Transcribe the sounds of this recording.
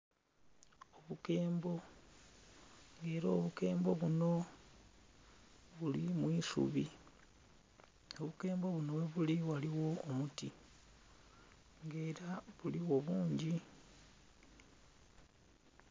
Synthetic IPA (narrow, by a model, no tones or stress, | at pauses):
oβukeːmbo̞ | ŋɡe̞ːɾoːβuke̞ːmbo̞βuno̞ | βulimwiːsṵβi | o̞βuke̞ːmbo̞βuno̞weβuliwaliwo̞ːmuti | ŋɡe̞ːɾaβuliwo̞βuːɲɟi